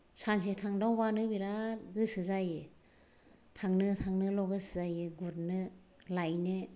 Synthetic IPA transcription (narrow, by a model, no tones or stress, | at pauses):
sans̬itʰaŋdawbanɯbiɾaɡɯsɯzajɯ | tʰaŋnɯtʰaŋnɯlɔɡɯsɯzajɯɡuɾ̚nɯ | lajnɯ